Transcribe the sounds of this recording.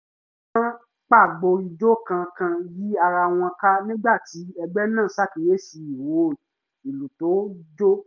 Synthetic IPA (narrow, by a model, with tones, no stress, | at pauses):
kã˦ | k͡pa˦˨ɡ͡bo˧i˧d͡ʒo˦kã˧kã˧ji˦a˧ɾa˧w̃ɔ̃˧ka˦nĩ˦ɡ͡ba˦˨ti˨˦ɛ˧ɡ͡bɛ˦nã˦˨˦sa˦˨ki˨ɾe˦si˧i˨wo˨˦˨ | i˨lu˨to˨˦d͡ʒo˦